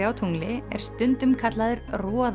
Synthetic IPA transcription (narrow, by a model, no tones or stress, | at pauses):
aːwt̪ʰuŋlɪɛ̰ɾ̥st̪ʏnt̪ʏmkʰat̪laðʏɾrɔːð